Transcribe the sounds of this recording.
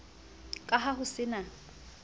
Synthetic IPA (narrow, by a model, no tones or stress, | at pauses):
kʼaɦaɦʊsɪna